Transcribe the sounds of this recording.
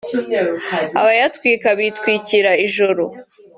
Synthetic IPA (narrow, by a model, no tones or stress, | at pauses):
a̰βajatwiːkaβitwiːciɾaiʒoɾo